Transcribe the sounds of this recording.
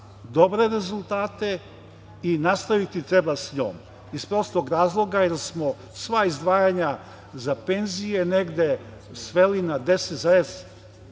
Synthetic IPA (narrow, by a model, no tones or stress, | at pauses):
d̪obɾe̞ɾe̞zulˠt̪aːt̪e̞ | inast̪aʋit̪it̪ɾebasɲo̰ːm | ispɾo̞st̪oɡɾaːzlˠo̞ɡajeɾsmo | sʋaizd̪ʋaːjaɲa | zape̞nzijeneɡd̪e̞ | sʋe̞linad̪e̞set̪zaes